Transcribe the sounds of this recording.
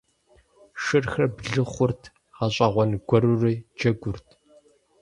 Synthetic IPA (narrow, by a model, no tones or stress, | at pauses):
ʃɨrxɐbɮɨχʷʊrtʰ | ʁɐɕʼɐʁʷɔnɡʷɔɾuriːd͡ʒɐɡʷʊrtʰ